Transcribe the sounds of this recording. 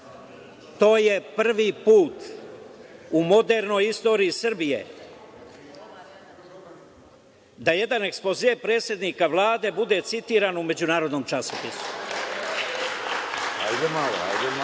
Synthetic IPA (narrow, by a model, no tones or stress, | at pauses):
t̪o̞ːje̞pr̩ʋipuːt̪ | umo̞d̪e̞ɾno̞jist̪o̞ːɾiisrbije̞̰ | d̪aje̞d̪ane̞kspozeːpɾe̞ːt̪sje̞d̪nikaʋlˠaːd̪e̞bud̪e̞t̪sit̪iːɾanume̞d͡ʑunaːɾo̞d̪no̞mt͡ʃasopisu̥ | ajd̪emalajd̪e